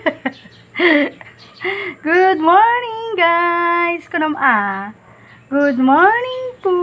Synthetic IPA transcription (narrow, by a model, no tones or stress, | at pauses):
ɡudmɔɾniŋɡajskunɐmʔa | ɡudmɔɾniŋpu